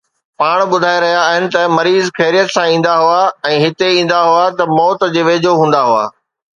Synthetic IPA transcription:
paːɽ̃ɓʊd̪ʱaːeɾɐɦijaːɦɪnɪ̆t̪ɐmɐɾiːzxɛːɾijət̪sãĩːn̆d̪aɦʊaɛ̃ːɦɪt̪eĩːn̆d̪aɦʊat̪ɐmɔːt̪d͡ʑeːʋeːd͡ʑʱoɦũːn̆d̪aɦʊa̰ː

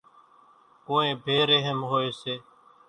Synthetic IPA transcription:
koːẽːbʱeːɾeɦəmɦoːeːseː

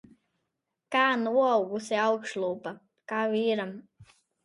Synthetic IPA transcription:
kaːnuɔwɡusiawkʃlˠuːpa | kaːviːɾam

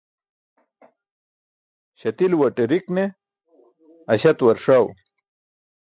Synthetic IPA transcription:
ɕɐt̪ilwɐʈeɾikne | ɐɕɐt̪wɐɾʂaw

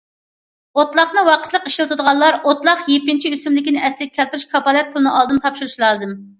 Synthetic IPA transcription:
ot̪lˠɑχnɨwɑqə̥t̪lˠəqi̥ʃlɨt̪ʰud̪əʁɑlːˠɑɾot̪lˠɑχjepːint͡ʃʰiysymlɪkʲinɪɛslɪi̥kʰʲɛlt̪ɾuʃkʰɑpɑːlɛt̪̚pʰʊlˠɨnɨʔɑlˠd̪ɨnt̪ʰɑpʃuɾuʃlˠɑːzɨm

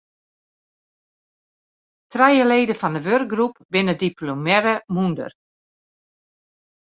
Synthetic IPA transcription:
trɛjəleːdəfɔndəʋørk̚ɡrup̚bɪnədiplomɛɾəmundə̰r

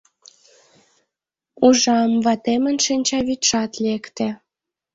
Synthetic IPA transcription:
uʒɑmvɑt̪emə̆nʃinʲt͡ɕɑβit̪ʃɑt̪lekt̪ĕ

